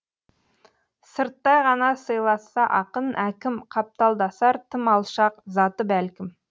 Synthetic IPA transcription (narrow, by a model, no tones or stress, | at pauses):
səɾt̪ːɑjʁɑnɑsəjlˠɑsːɑʔɑqənʔækʲɪmqʰɑp̚t̪ɑlˠd̪ɑsɑɾt̪ʰɪmɑlˠʃɑqzɑt̪əbælkʲɪm